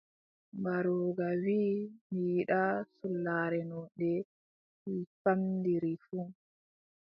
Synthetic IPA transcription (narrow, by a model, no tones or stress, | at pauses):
baɾɔːɡawiːmiɗasulːaɾɛnɔɗɛ | ifamdiɾifu